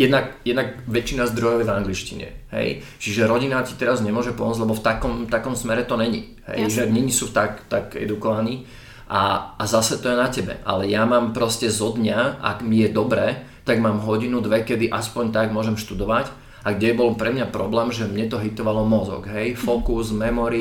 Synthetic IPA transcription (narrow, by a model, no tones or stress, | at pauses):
jɛd̪nakjɛd̪naɡʋɛt͡ʃinazd̪ɾɔjɔʊjɛvaŋɡlit͡ʃcḭɲɛ̰ɦɛ̰jt͡ʃiʒɛɾɔɟinaci̥t̪ɛɾazɲɛmʊɔʒɛpɔmɔd͡zd͡ʑʲlɛbɔft̪akɔmt̪akɔmsmɛɾɛt̪ɔnɛɲḭ | ɦɛ̰jʒɛɲɛɲisut̪akt̪aɡɛ̰d̪ukɔʋaniː | ʔa̰ːzasɛt̪ɔjɛnacɛbɛ̰ʔa̰lɛjamaːmpɾɔscɛzɔd̪ɲaa̰ɡmijɛd̪ɔbɾɛː | t̪aɡmaːmɦɔɟinud̪ʋɛkɛd̪iʔaspɔɲt̪aɡmʊɔʒɛmʃt̪ud̪ɔʋac | aɡɟɛɛbɔlpɾɛmɲapɾɔblɛːmʒɛmɲɛt̪ɔɦit̪ɔʋalɔmɔzɔ̰ɡɦɛjfɔkuzmɛmɔɾi